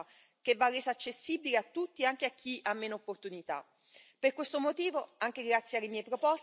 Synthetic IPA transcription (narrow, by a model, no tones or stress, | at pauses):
k̟evːarːeːzaːt͡ʃːesːibileat̪ːut̪ːieaŋk̟eak̟ʰːiʔamːeːnoopːort̪unit̪a̰ | perkwest̪omot̪iːvoaŋk̟eɡɾat̪sjealːemjɛjpɾopɔs